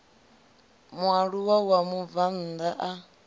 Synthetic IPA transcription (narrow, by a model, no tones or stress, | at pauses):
mwaɺuwawamuvan̩d̪aʔa